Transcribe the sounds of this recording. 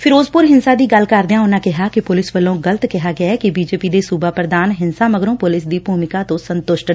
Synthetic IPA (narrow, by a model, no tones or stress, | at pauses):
pʰɪɾoːzpʊɾɦɪnsaːd̪iːɡəlkəɾd̪eãːʊnãːkɪɦaːkɪpʊlɪsʋəlːõːɡələt̪kɛɦaːɡɛaɛkɪbiːd͡ʒeːpiːd̪eːsubaːpɾəd̪aːnɦɪnsaːməɡɾõːpʊlɪsd̪iːbʱuːmɪkaːt̪õːsənt̪ʊʃʈn